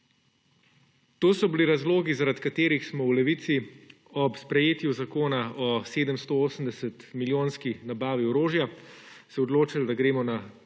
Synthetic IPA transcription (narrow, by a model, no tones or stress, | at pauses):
t̪oːsɔbiliɾazloːɡizaɾat̪kat̪eːɾixsmɔwlɛʋit̪si | ɔpspɾɛjeːt̪juzakoːnaɔseːd̪əmst̪ooːsəmd̪ɛsət̪miljoːnskinabaːʋiɔɾoːʒjasɛɔd̪loːt͡ʃald̪aɡɾeːmɔna